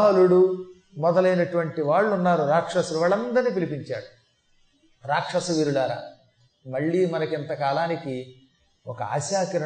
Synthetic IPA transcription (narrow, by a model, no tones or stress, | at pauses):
ɦɐluɽu | mɔd̪ɐlɐjnɐʈuʋɐɳʈiʋaːɭːunːaːɾuɾaːkʂɐsɐuʋaːɭɐnd̪ɐɾniːpilipiɲt͡ʃaːɽu | ɾaːkʂɐsɐʋiːɾulaːɾa̰ː | mɐɭːimɐnɐkint̪ɐkaːlaːniki | ɔkɐa̰ːʃaːkɐɾɐ